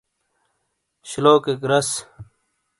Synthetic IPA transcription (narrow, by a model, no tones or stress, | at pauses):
ɕiloːkekɾɐs